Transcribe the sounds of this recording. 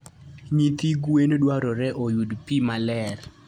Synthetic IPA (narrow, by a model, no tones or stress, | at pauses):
ɲit̪iɡwendwaɾɔɾɛʔojudpimalɛr